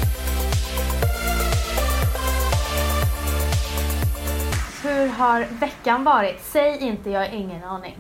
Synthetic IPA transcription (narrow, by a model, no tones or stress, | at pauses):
hɵɾɦaɾvɛkːanvɑːɾɪt̪sɛjɪnt̪əjɑːɡɪŋːənɑːɳɪ̰ŋ